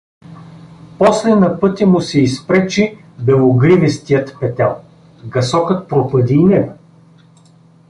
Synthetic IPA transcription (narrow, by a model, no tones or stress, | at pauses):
pɔslɛnɐpɤt̪ʲəmʊsɛispɾɛt͡ʃi | bɛlˠoɡɾivɛst̪ijət̪pɛt̪ɛlˠ | ɡɐsɔkɤt̪̚pɾopəd̪iːnɛɡɐ